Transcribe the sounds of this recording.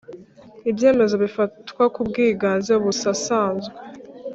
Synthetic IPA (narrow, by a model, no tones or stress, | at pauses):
ibje̞ːme̞zo̞βifatkwakub̚ɡiːɡaːnzeuβusasaːnze